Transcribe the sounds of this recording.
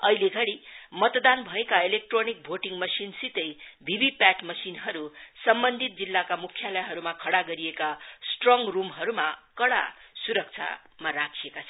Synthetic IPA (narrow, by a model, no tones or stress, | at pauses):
ʌ̰ileɡʱʌɽimʌt̪d̪anbʱʌekaelek̚ʈronik̚bʱoʈiŋmʌsinsit̪ʌjbʱibipaʈmʌsinɦʌɾusʌmbʌnd̪ʱit̪̚d͡zilːakamukʰjalʌjɦʌɾumakʰʌɽaɡʌɾiekasʈroŋɡrumɦʌɾumakʌɽa̰suɾʌk̚t͡sʰa̰ | maɾakʰiekat͡sʰʌn